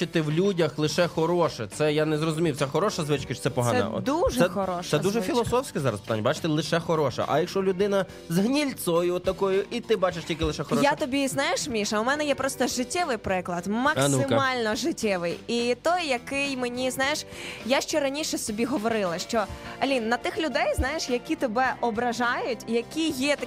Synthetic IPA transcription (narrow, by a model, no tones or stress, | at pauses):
ɪt̪ɪwlʲudʲɐxlˠɪʃɛxɔɾɔʃɛt̪sɛjanɛzrɔzʊmʲiwt̪sɛxɔɾɔʃɐzʋɪt͡ʃkɐʃɔ̥t̪ɛpɔɦ̪anɛɛ̰ɔ̰d̪uʒɛɛxɔɾɔʃɛd̪uʒɛfʲilˠɔsɔwsʲkɛzɑɾɐspɪt̪a̰nʲːɐbat͡ʃɪ̥t̪ɪlˠɪʃɛxɔɾɔʃɛ̰ʔɐ̰jɐkʃɔlʲʊd̪ɪnɐ | zɦnʲilʲt̪sɔjʊɔt̪ːɐkɔjʊʔit̪ɪbɑt͡ʃeʃtʲilʲkʲɪlˠɪʃɛxɔɾɔjat̪ɔbʲiznɑjeʃmʲiʃɐumɛnɛjɛpɾɔst̪ɔʒɪtʲːɛʋɪjpɾɪklˠɐd̪mɐksnɪmmɑlʲnɔʒɪtʲːɛʋɪjit̪ɔjːɐkɪjmenʲiznɑjeʃjaʃt͡ʃɔɾɐnʲiʃɛst̪ɔbʲiɦɔʋɔɾɪlˠɐʃt͡ʃɔɐlʲinːɐt̪ɪxlʲʊd̪ɛjznɑjeʃjɐkʲit̪ɪbɛʔɔbɾɐʒɑjʊtʲjɐkʲijɛt̪ɐ